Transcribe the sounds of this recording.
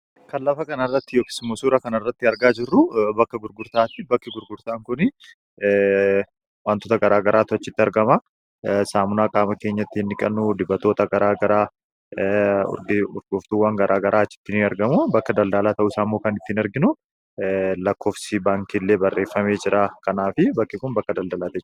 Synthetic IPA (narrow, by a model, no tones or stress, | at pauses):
kɐlːɐfɐkɐnɐrːɐt̪ːɪjoːkɪ̥sɪmːosuːɾɐkɐnɐrːɐt̪ːɪɐɾɡaːd͡ʒɪrːʊbɐkːɐɡʊɾɡʊɾt̪aːt̪ɪbɐkːɪɡʊɾɡʊɾt̪aːŋkʊnɪ | waːnt̪oːt̪ɐɡɐɾaːɡɐɾʔaːt̪ʊɐt͡ʃːɪt̪ːɪɐɾɡɐmɐ | saːmʊnaːkʼaːmɐke̞ːɲːɐt̪ːɪhɪnːɪkʼɐnːud̪ɪbɐt̪o̞ːt̪ɐɡɐɾaːɡɐɾaː | ɡʊ̰ɾɡʊft̪uwaːŋɡɐɾʔaːɡɐɾʔaːɐt͡ʃːɪ̥t̪ːɪnɐɾɡɐmubɐkːɐd̪ɐld̪ɐlaːt̪ɐʔuɪsaːmːoːkɐnɪt̪ːɪnɐɾɡɪnʊ | lɐkʰːo̞ːfsɪbaːŋkilːe̞ːbɐrːʔe̞ːfːɐme̞ːd͡ʒɪɾaːkɐnaːfɪbɐkːɪkʊnbɐkːɐd̪ɐld̪ɐlaːt̪ɛt͡ʃː